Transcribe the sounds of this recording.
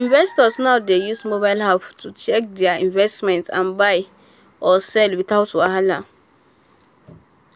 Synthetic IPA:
ĩnvɛstɔsnaʊdejusmobaɪlhaptʰut͡ʃɛk̚dɛaĩnvɛstmɛ̃ntã̰nbaɪ | ɔsɛlwiθaʊtoaɦala

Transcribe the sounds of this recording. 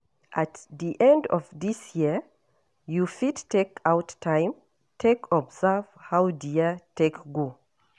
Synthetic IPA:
ʔætðiʔɛ̃ndɔ̰vðisjiə | jufidtʰekaʊtʰãɪ̃m | tʰekʰɔbzə˞v̥haʊdiətʰekɡo

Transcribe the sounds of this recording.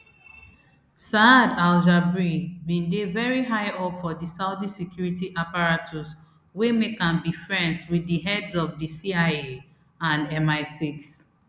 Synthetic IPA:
sadalʒabɹĩnbĩndevɛɹiɦaɪɔpfɔdisaʊdisɛkʰjuɹitiʔapaɹatʰɔs | wemekãnbifɹɛ̃nswiðiɦɛdzɔfdisiaɪe | ãnɛ̃maɪsiks

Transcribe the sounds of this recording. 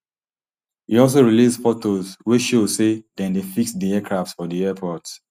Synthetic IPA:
hiɔls̬oɹilisfɔtozwiʃosedɛ̃ndefiksdiɛkʰɹaftsfɔdiɛpʰɔt

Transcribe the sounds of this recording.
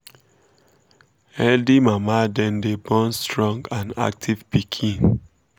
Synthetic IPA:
hɛldimamadɛ̃ndebɔ̃nstɹɔ̃ŋɡãna̰k̚tʰivpikʰĩn

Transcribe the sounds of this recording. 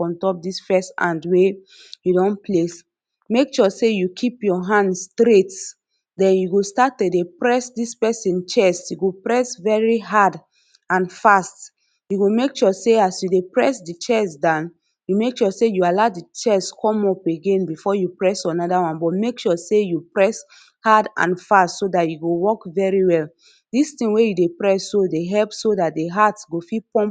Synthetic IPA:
fɔ̃ntɔp̚disfɛstã̰ndwe | judɔ̃nples | mekʃɔsejukʰipjɔɦãndstɾet | dɛ̃njuɡostatːedepɹɛsdispɛsĩnt͡ʃɛsjuɡopɹɛsvɛɹiɦad | ãnfast | juɡomekʃɔseasjudepɹɛsdit͡ʃɛsdãn | jumekʃɔsejualadit͡ʃɛskʰɔ̃mɔpeɡẽnbifɔjupɹɛsãnɔdawãnbɔtmekʃusejupɹɛs | hadã̰nfastsodatjuɡowɔkvɛɹiwɛl | distĩŋwejudepɹɛsːodeɦɛlpsodat̚deɦatɡofipɔ̃mp

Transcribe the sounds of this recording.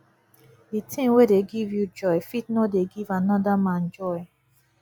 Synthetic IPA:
ditʰĩŋwedeɡivjud͡ʒɔɪfit̚nodeɡivanɔdamãnd͡ʒɔɪ

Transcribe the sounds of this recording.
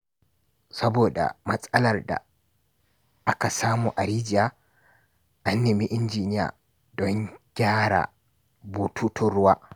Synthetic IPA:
sabɔɗa̰masʼalaɾɗa̰ | ʔakasaːmuʔaɾid͡ʒia | ʔanːimiʔind͡ʒinija̰ | dɔnɡʲaːɾa̰ | butʰutʰuɾwa

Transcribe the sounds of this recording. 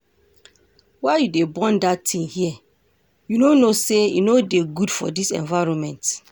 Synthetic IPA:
waɪjudebɔ̃ndatʰːĩŋhiɛ | junonosejṵnodeɡudfɔ̰disɛ̰̃nvaɹɔ̃nmɛ̃nt

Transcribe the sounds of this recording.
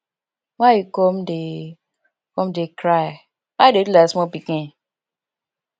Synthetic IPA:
wajikɔmde | kɔmdekɾaj | wadedulasmɔpikĩn

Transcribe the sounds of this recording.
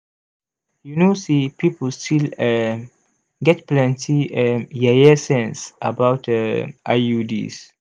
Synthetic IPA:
junosipipəlstʰil | ɡɛtplɛ̃ntʰijajɛsɛ̃nsʔabawtʔa̰udḭs

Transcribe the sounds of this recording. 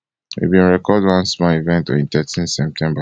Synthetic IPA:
ḭbĩnɹɛkɔdwãnsmɔivɛ̃ntɔ̰̃tɛtʰĩnsɛp̚tʰɛ̃mba

